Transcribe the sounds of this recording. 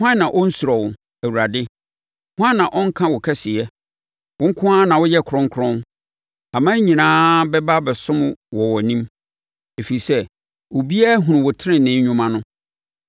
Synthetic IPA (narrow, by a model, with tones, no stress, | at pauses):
hʷʊ˦ã˦nã˨ʔɔ˦n̩˦su˨ɾɔ˨wʊ˨ | æ˨wu˨ɾa˨dɪ˦ | hʊ˦ã˦nːã˨ʔɔ˦ŋ̩˦kʰã˦wɔ˨kʰɛ˦sɪ˨jɛ˦ | wʊ˦ŋ̩˦kʰʊ̃˦a˦nã˨wʊ˦jɛ˦kʰɾʊ̃˦ŋkʰʊ˦ɾɔ̃˦n | a˨mã˦ɲĩ˨nãː˦bɛ˦ba˦bɛ˨sʊ̃˦m̃˨wɔ˨wɔ˨nĩ˦m | e˨fi˨i˨sɛ˦ | wo˨bi˦a˦ɦũ˨ñ˨wɔ˨tʰɪ˦ɾɪ̃˨nɪ̃˨˦ʊ̃˦mã˦nʊ̃˦